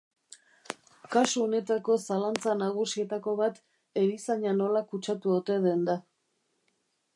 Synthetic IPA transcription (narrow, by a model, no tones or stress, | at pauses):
kasuo̞ne̞t̪ako̞salant͡sanaɣ̞usie̞t̪ako̞βat̪ | e̞ɾisaɲano̞lakut͡ʃat̪uo̞t̪e̞ð̞e̞nd̪a